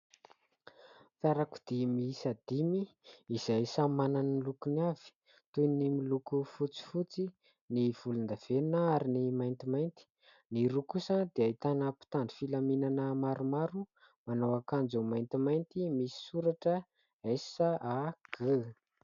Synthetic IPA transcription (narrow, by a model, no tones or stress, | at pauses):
t̪aɾaku̥d̪̥imisad̪̥imiːz̥ajsamananilukuniav̥i̥ | t̪ujnimilukufut͡si̥fut͡si | niv̥ulund̪av̥enəaɾinimajnt̪imajnt̪i̥ | niɾukusəd̪̥eait̪anəpi̥t̪anɖ͡ʐi̥filaminanəmaɾumaɾu | manawakand͡zumajnt̪imajnt̪imisi̥suɾaʈ͡ʂə | esaaɡ̥ə